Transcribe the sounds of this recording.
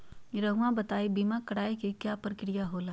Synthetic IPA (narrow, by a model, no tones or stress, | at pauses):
ɾɐɦuãbɐt̪aːibiːmakɐɽaːikikjaːpɐɾkɪɾɪjaɦoːlaː